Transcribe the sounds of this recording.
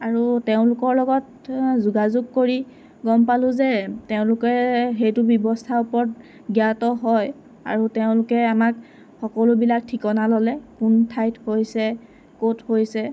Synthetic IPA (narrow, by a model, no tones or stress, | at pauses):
aɹuteʊ̃lʊkɔɹlɔɡɔt̚ | zuɡazʊɡ̚koɹi | ɡɔmpalʊ̃zɛteʊ̃lʊkɛɦejtʊbɔbɔstʰaʊpɔɹt̚ | ɡjatɔɦɔj | a̰ɹuteʊ̃lʊkɛamak | xɔkɔlʊbilak̚tʰikɔnalɔlɛkuntʰajthojsɛ | kothojsɛ